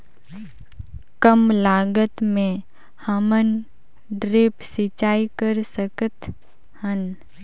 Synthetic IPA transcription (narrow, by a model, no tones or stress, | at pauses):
kəmlaːɡət̪mẽ | həmən | ɖɾeːpsit͡ʃaːikəɾsəkət̪ | hən